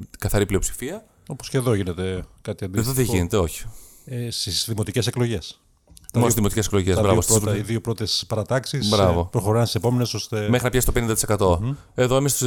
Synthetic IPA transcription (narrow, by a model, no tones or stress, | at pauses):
kɐθɐɾiplio̞psi̥fiɐ | o̞posceðo̞ʝinet̪ekɐt̪iɐnd̪ieðoðeʝine̞t̪e̞o̞çi̥ | st̪isðimo̞t̪iceseklo̞ʝe̞s | mosðimot̪icesklo̞ʝezbɾɐvost̪iðiopɾo̞t̪espɐɾɐt̪ɐksisbɾɐvo̞pɾoxoɾɐnsisepomeneso̞st̪emexɾinɐpçɐsi̥t̪pe̞nind̪t̪i̥sekɐt̪o̞ | e̞ðoemist̪s